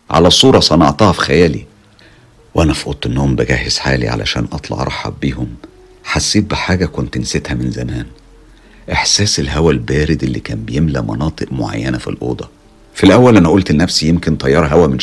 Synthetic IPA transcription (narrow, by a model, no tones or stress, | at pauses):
ʕa̰læsˤːuːɾˤɑsˤɑnɑʕt̪ɑːhɑfi̥xæjæːlḭ | wʔænæfʔot̪ˤːenːohombæɡæːhezħa̰ːlḭʕa̰lʔæ̰ʃæ̰ːnʔɑt̪ˤlɑ̰ʕɾˤɑ̰ħːɑ̰biːhom | ħasːiːt̪̚beħaːɡækont̪nset̪hæmenzæmæːn | ʔeħsæːselɦæwælbæːɾed̪ʔelːikæːmbejemlæ̰mɑ̰nɑːt̪ˤɨʔmoʕa̰jːænæfḭlʔo̰ːd̪ˤɑ | filʔæwːælʔænæʔolt̪enːæfsijemkent̪ˤʰɑjːɑɾˤɦæwæmen